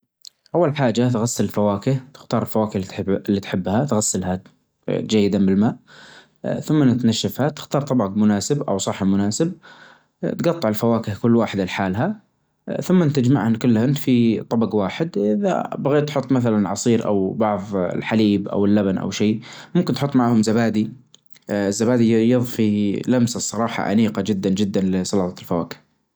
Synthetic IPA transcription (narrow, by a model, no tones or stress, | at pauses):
ʔawːalħaːd͡ʒat̪ɣasːalɪlfawaːkɪht̪ɪ̥xt̪ɑːɾˤɪlfawaːkɪh̪lːit̪ħɪbːhat̪ɣasːɪlɦa | d͡ʒajːɪd̪anbɪlmaːʔ | θʊmːanɪt̪naʃːafhat̪ɪ̥xt̪ɑːɾˤt̪ˤɑbɑɡmʊnaːsɪbʔa̰wsˤɑħːamʊnaːsɪb̚ | t̪ɡɑt̪ˤːɑʕɪlfawaːkɪhkʊlːwaːħɪd̪ɪlħaːlɦa | θʊmːant̪ad͡ʒma̰ʕhankʊlːhɪnfit̪ˤɑbɑɡwaːħɪd̪ʔɪða̰baɣeːt̪ːħʊt̪ˤːmaθalanʕɑsˤiːɾʔa̰wbɑʕð̰ˤlħaliːbʔa̰wɪlːabanʔa̰wʃiːmʊmkɪnt̪ħʊt̪ˤːmaʕhʊmzabaːd̪i | ɪzːabaːd̪ijɨðˤfilamsasˤːɑɾˤɑːħɑ̰ʕa̰miːqad͡ʒɪd̪ːand͡ʒɪd̪ːanlɪsˤɑlɑt̪ˤɑlfawa̰ːkɪ̥h